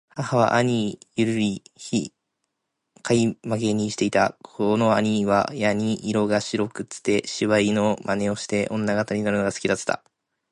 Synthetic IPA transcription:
hahaβa̰ʔaɲ̟ijɯ̟ɾɯ̟ɾʲiçi | kʰaimaɡe̞ɲ̟iɕi̥t̪e̞it̪akʰono̞aɲ̟iβa̰jaɲ̟iʔːɾo̞ɡaɕiɾo̞kɯ̟t͡sɨ̥t̪e̞ɕiβaino̞mane̞o̞ɕi̥t̪e̞ʔõ̞nːaɡat̪aɲ̟inaɾɯ̟no̞ɡasɨ̥kʲid̪at͡sɨ̥t̪a̰

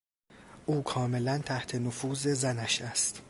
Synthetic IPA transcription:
ʔuːkʰɒːme̞lænt̪ʰæht̪ʰe̞nofuːze̞zænæʃæst̪

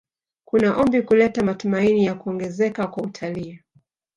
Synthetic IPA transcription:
kunaʔɔmbikulɛtamatumainijakuɔŋɡɛzɛkakwautʰaliː

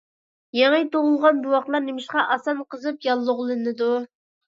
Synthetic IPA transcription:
jeŋɨt̪oʁʊlˠʁɑnbuwɑqt̪lˠɑɾnemɪʃqɑʔɑsɑnqəzɨpjɑlˠːʊʁlˠɨnɨd̪u

